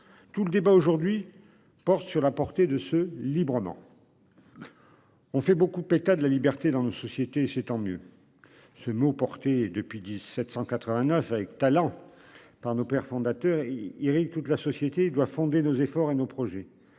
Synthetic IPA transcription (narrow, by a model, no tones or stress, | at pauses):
t̪uləd̪ebaoʒuʁd̪ɥi | pɔʁt̪syʁlapɔʁt̪ed̪əsəlibʁəmɑ̰̃ | ɔ̃fɛbokud̪əpɛt̪ad̪əlalibɛʁt̪ed̪ɑ̃nosɔsjet̪eːsɛt̪ɑ̃mjø̰ | səmopɔʁt̪ed̪əpɥid̪isɛt̪sɑ̃kat̪χəvɛ̃nœfavɛkt̪alɑ̃ | paʁnopɛʁfɔ̃d̪at̪œʁeiʁiɡt̪ut̪lasɔsjet̪eːd̪wafɔ̃d̪enozefɔʁenopχɔʒɛ